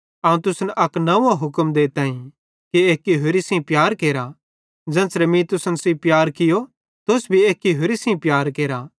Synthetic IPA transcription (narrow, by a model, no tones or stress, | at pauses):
ɐːũt̪ʊsnʔɐknɐuːãɦʊkəmd̪et̪aːĩ | kieːkːiɦʊɾisĩpjaːɾkeːɾa | d͡ʒɛ̃ːnsɾɛmĩt̪ʊsnsĩpjaːɾkɪjo | t̪ʊsbʱieːkːiɦʊɾisĩpjaːɾkeːɾa